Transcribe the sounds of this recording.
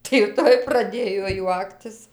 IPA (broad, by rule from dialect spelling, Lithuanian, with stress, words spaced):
tɐɪ jɛʊ ˈtoːj prɐˈdʲeːjoː ˈjuɔktʲɪs